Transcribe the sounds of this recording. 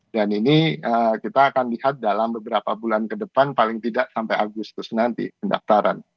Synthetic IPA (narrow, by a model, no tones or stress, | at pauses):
daniniəkit̪aːkanlihat̪̚dalambəbəɾapabulankədəpanpalɪŋt̪idaʔsampajaɡust̪ʊsnant̪ḭpənda̰ft̪aɾʔa̰n